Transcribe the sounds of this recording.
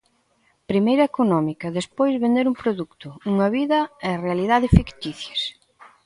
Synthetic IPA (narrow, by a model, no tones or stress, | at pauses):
pɾimejɾɐekonɔmikɐðespojzβẽnd̪eɾuŋpɾoðukt̪ʊuŋɐβiðɐɛɐrealiðaðɪfikt̪iθjɐs